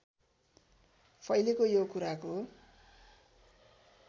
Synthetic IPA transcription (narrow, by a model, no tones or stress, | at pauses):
pʰʌjlekojokuɾako